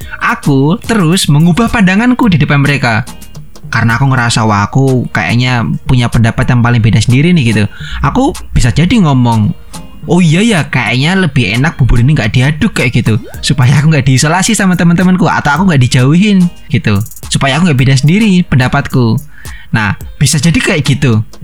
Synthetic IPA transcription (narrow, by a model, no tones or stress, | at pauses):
ʔakut̪əɾʊsməŋubahpadaŋankudidəpanməɾeka | kaɾənaːkuŋəɾasawakuka̰ja̰ʔɲapuɲapəndapat̪jaŋpalɪŋbidasəndiɾinɪhɡit̪uʔakub̥isad͡ʒadiŋɔmɔŋ | oijajakaja̰ʔɲaləbɪhḛnak̚b̥ubʊɾiniŋɡaʔdiadʊkːajʔɡ̥it̪usupajaakuŋɡaʔd̥iːsolasisamat̪əmənt̪əmənkua̰t̪awakuŋɡaʔdid͡ʒawiɦɪn | ɡ̥it̪u | supajakuŋɡaʔbidas̬əndiɾipəndapat̪̚ku | na̰hb̥isad͡ʒadikajaʔɡ̥it̪u